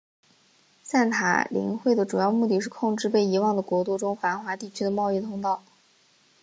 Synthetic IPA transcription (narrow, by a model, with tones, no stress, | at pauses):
sa˥˩nt̪ʰa̰˨˩lḭ˧˥ŋxwe˥˩ɪd̪ə˩ʈ͡ʂu˨˩jɑ˥˧ʊmu˥˩t̪i˥˧ʂɻ̩˥˧kʰʊ˥˧ŋʈ͡ʂɻ̩˥˧pe˥˩ɪi˧˥wɑ˥˩ŋd̪ə˩kwɔ˧˥t̪u˥˧ʈ͡ʂʊ˥ŋfa˧˥nxwa˧˥t̪i˥˩t͡ɕʰy˥d̪ə˨mɑ˥˧ʊi˥˩t̪ʰʊ˥ŋt̪ɑ˥˩ʊ